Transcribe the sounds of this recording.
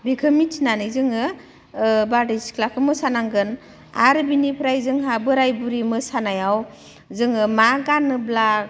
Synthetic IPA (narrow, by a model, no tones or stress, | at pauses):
ɾikʰɯmit͡ʃʰinanɯzɯŋɯ | badiskʰlakʰɯmɯsanaŋɡɯn | a̰ɾbinipʰɾajzɯŋɦabɯɾajbuɾimɯsanajaw | zɯŋɯmaɡanːɯblak̚